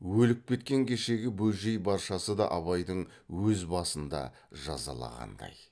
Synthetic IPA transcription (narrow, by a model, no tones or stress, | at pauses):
wɵlɪk̚pʲe̞t̪kʲe̞ŋkʲʰe̞ʃe̞ɡʲɪbɵlʒejbɑɾʃɑsəd̪ɑ̰ʔɑβɑjd̪əɴ | wɵzbɑsənd̪ɑ̰ | ʒɑzɑ̰lˠɑ̰ʁɑ̰nd̪ɑ̰j